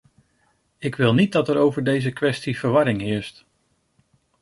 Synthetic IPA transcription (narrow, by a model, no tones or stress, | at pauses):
ɪkʋɪlˠnit̚dɑtəɾowvəɹdejzəkʋɛstiv̥əɹʋɑɾɪŋɦɪːɹst